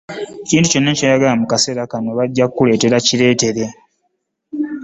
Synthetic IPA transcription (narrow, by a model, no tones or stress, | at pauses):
eciːntuco̞nːacaːjaɡalamukase̞ɾakano̞βaɟːakkule̞ːte̞ɾaciɾe̞ːte̞ɾe̞